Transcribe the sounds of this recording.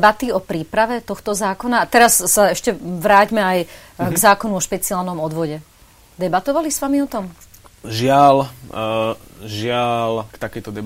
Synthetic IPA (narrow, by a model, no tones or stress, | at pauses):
bat̪iɔpɾiːpɾaʋɛt̪ɔxt̪ɔzaːkɔnaːt̪ɛɾasːaɛʃcɛʋɾaːɟmɛaj | ɡzaːkɔnuɔʃpɛt͡sialnɔmɔd̪ʋɔɟɛ | d̪ɛbat̪ɔʋalisʋamiɔt̪ɔm | ʒɪal | ʒɪalkt̪akɛjt̪ɔd̪ɛ